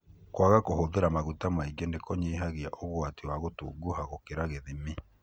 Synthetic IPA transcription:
kwaɣakoɦoðeɾamaɣutamaiɡenekɔɲeɦaɣeaʔoɣwatiwaɣoto̰ɡuhaɣokeɾaɣeðemi

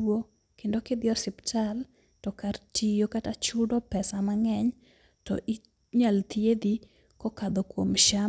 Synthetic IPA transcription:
o | kendoked̪ɪɔsɪptʰal | tɔkartʰijokatat͡ʃʊdɔpɛsamaŋɛɲ | tɔ̰ʔi | ɲalt̪ied̪i | kɔkad̪okwomʃa

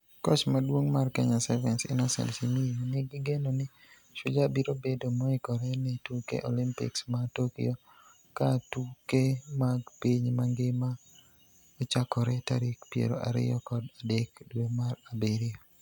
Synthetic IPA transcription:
kɔt͡ʃmadwoŋmarkɛɲasɛvɛnsɪ̰nasɛ̰nsiminiɡɪɡenonɪ | ʃʊd͡ʒabiɾobedomɔɪkɔɾɛnɛtukḛʔolimpḭksmatokḭo | katukemaɡpiɲmaŋɡɪma | ot͡ʃakɔɾɛta̰ɾikpjḛɾo̰ʔa̰ɾɪ̰jɔkɔdadekdwomaɾabeɾɪo

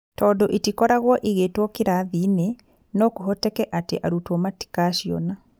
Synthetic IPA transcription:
tɔːdɔʔitikɔɾaɣwɔʔiɣeːtwɔkiɾaðine | nɔkuɦɔtɛkɛʔateʔaɾutwɔmati̥kaʃiɔna

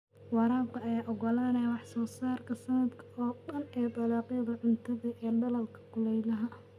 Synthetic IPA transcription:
wɑɾaːbkʰɐɐjaːʔɔɡɔlaːnɛwɑħsɔːsaːrkʰɐsɐnɐd̪kʰɐɔːɖɐnɛːt̪ʼɑlɑːqjɐðɐʕʊnt̪ʰɐðɐʔɛːɖɐlɐlkʰɐ̥kʰʊlɛjlɐɦɐ

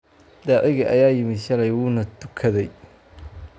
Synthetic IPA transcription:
d̪aːʕɪɣɐʔɐ̰jaːjɪmɪʃɐlɛjwuːnɐd̪ʊkʰɐðɛj

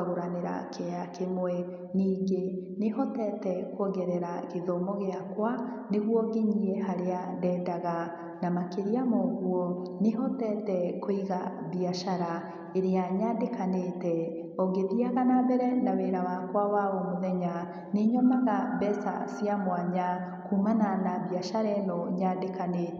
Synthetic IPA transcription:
aɣoɾaneɾa̰kʰeakʰemwɛ | niːɡenehɔtɛtɛkoɣɛɾɛɾaɣeðomɔɣeakwaneɣwɔɣeɲiɛhaɾeandɛːndaɣa | namakeɾiamɔɣwɔneɦɔtɛtɛkoiɣaβiaʃaɾa | eɾeaɲaːndekanetɛ | ɔɣeðiaɣanabɛɾɛnaweɾawakwawaɔmoðɛɲa | neɲɔmaɣabɛsa̰siamwaɲa | kumananaβiaʃaɾɛnɔɲaːdekaneːtɛ

